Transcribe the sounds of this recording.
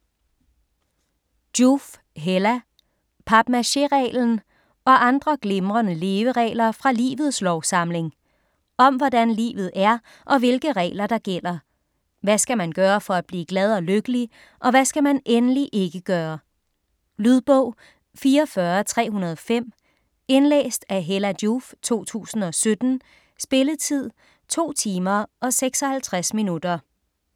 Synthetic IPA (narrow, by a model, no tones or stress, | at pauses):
d̥uf | ɦelæ | pʰɑ̈b̥mæɕe̝ʁɛ̰ːln̩ | ɒ̽ʔɑ̈nd̥ʁɐɡ̥le̝mʁɐnəle̝ːʋəʁɛ̰ːlɐfʁɑ̈lḭːʋð̞̩ˠslɒʊsɑ̈m̰le̝ŋ | ɒ̽mʋɒdænlḭːʋð̞̩ˠæɐ | ʔɒ̽ʋe̝lɡ̥əʁɛ̰ːɪlɐd̥ɑ̈ɡ̥el̰ɐ | ʋæsɡ̥æmænɡ̥ɶːɐfɒ̽æd̥̚b̥liːɡ̥lɛð̞ˠɒ̽løɡ̥əli | ʔɒ̽ʋæsɡ̥æmænenəliʔe̝ɡ̥əɡ̥ɶːɐ | lyð̞ˠb̥ɔ̽ʊ̰ | fiːɐfɶːɐt͡sʰʁɛ̰ːɦunɐð̞ˠɒ̽fem̰ | e̝nlḛːsd̥æɦelæd̥uft͡sʰo̝̰ːt͡sʰṵːsn̩ɒ̽sød̥n̩ | sb̥e̝lət͡sʰið̰ˠ | t͡sʰo̝̰ːt͡sʰiːmɐʔɒ̽seɡ̥sɒ̽hælt͡sʰʁasminud̥ɐ